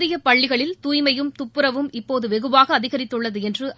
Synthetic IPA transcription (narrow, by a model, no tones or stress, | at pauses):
ðɪjɐpɐɭːɪɣɐɭɪlt̪uːjmɐjɯmt̪ʊpːɯɾɐʋɯmɪpːoːðɯʋɛɣɯbaːɣɐːðɪɣɐɾɪt̪ːɯɭːɐðɯɛndrɯʔ